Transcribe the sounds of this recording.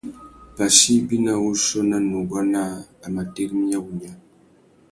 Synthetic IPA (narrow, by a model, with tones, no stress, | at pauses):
pa˨si˦bi˦na˦˨wu˦ʃɔ˦na˦nu˨ɡwa˦na˦a˨ma˨te˦kmi˦a˦wu˨ɲa˦